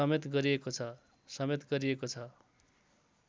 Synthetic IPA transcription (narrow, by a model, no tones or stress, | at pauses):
ʌmet̪ɡʌɾiekot͡sʰʌ | sʌmet̪ɡʌɾiekot͡sʰʌ